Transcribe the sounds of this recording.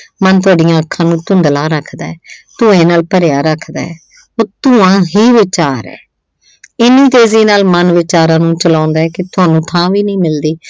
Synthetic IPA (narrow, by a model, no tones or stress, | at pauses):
mənt̪ʊaːɖɪjãːəkʰːãːnũːt̪ʊnd̪lãːɾəkʰd̪aːɛːt̪ʊẽːnaːlpəɾjaːɾəkʰd̪a̰ːɛː | oːɾt̪ʊãːɦiːʋɪt͡ʃaːɾɛ̰ː | ɪnĩːt̪eːziːnaːlmənʋɪt͡ʃaːɾãːnũːt͡ʃəlãːnd̪aːɛːkɪt̪ʊaːnũːt̪ʰãːʋiːnĩːmɪld̪iː